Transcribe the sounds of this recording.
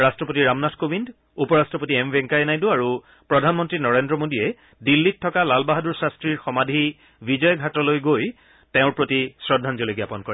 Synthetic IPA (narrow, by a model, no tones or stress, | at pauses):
ɹastɹɔpotiɹamnatʰkobʱind | upɔɹastɹɔpotiɛmbʱɛ̃ŋkajnajduaɹu | pɹɔdʱanmɔntɹinɔɹendɹɔmodijɛ | dilːitʰːɔkalalbaɦaduɹsastɹiɹxɔmadʱi | bid͡ʑɔjɡʱatɔlojɡoj | teʊ̃ɹpɹotisɹɔdʱːanzoleɡjapɔnkɔɹɛ